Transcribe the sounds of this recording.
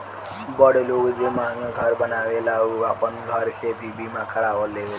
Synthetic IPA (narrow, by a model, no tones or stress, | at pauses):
bəɽeloɡd͡ʒemãɡʱəɾbənaʋelauapənɡʱəɾkʰebʱibimãkʰəɾaʋəlːeʋe